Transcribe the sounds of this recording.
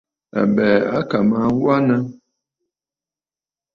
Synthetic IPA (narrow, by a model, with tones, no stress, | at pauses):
a̰˨bɛ˨a˦ka˨mãː˨˦wa˦na˦